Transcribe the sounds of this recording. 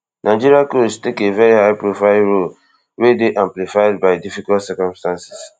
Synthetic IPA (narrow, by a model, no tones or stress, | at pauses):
nʔaɪd͡ʒiɾiakostekevɛɾihaɪpɾofaɪlɾol | wedeʔãmplifaɪd̚baɪdifikaltsɛkɔ̃mstãnsi̥s